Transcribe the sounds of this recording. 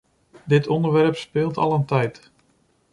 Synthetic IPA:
dɪtʰɔndəɹʋɛrpspɪːlˠtɑ̰lˠəntɛjt

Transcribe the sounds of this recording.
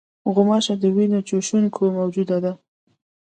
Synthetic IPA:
ɣʊmɑʃad̪əwinot͡ʃoʃunkʰomawd͡ʒud̪ad̪a

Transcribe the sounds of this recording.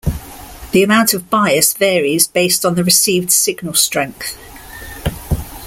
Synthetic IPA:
ðiəmãʊ̃ntʰəvbaɪəsvɛːɹizbeɪstn̩ðəɹɪsiːvd̥sɪɡnəlˠstɹ̥ɛ̃ŋk̚θ

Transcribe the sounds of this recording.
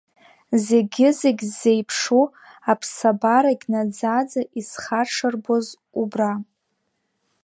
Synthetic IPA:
ze̞ɡʲɪzeɡʲzːe̞jpʰʂu | apʰsabaɾaɡʲnad͡zad͡zaʔisχaʈ͡ʂʰɨrboz | ubra

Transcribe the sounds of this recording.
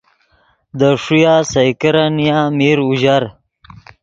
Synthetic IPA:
d̪əʂujasajkəɾanjaːmiɾuʑaɾ

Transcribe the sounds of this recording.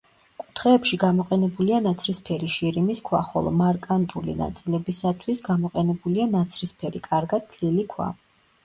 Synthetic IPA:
kʼut̪ʰχɛːpʃiɡamɔqʼɛnɛbulianat̪sʰɾispʰɛɾiʃiɾimiskʰwa̰χɔ̰lˠɔ̰maɾkʼant̪ʼulḭna̰t̪sʼilɛbisat̪ʰwisɡamɔqʼɛnɛbulianat̪sʰɾispʰɛɾikʼaɾɡat̪̚ːʰlilikʰwa̰

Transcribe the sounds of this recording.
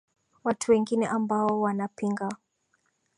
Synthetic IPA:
watʰuwɛŋɡinɛʔambaɔwanapiŋɡa

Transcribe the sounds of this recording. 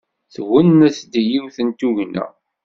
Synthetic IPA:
θwənːæsd̪ijiwθənt̪uʝnæ̰

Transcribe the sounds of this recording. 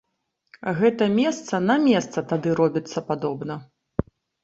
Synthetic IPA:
ɣɛt̪ɐmʲɛst̪sɐnɐmʲɛst̪sɐt̪ad̪ɨɾɔbʲit̪sːɐpad̪ɔbnɐ

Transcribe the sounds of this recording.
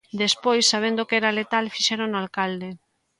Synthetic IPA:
d̪espojsːaβ̞ẽnd̪okɛɾalet̪alfiʃɛɾoŋnoalkald̪e

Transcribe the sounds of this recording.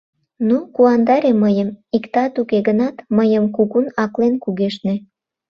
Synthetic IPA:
nukuɑnd̪ɑɾeməjəmikt̪ɑt̪ukeɣənɑt̪məjəmkuɣunɑklenkuɣeʃne

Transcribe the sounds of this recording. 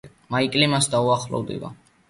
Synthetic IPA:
maikʼlimasd̪auaχlɔ̰vd̪ḭva̰

